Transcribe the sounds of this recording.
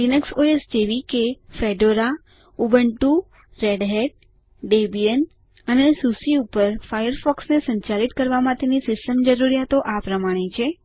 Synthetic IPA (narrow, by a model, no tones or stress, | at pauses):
linəksoesd͡ʒeʋikefeɖoɾa | ubəɳʈu | ɾeɖɦeɖ̚ | ɖebijən | ənesusiupəɾfajəɾfɔksnesə̃ɲt͡ʃaɾit̪kəɾʋamãt̪enisɪsʈəmd͡ʒəɾuɾijat̪oʔapɾəmaɽ̃et͡ʃʰe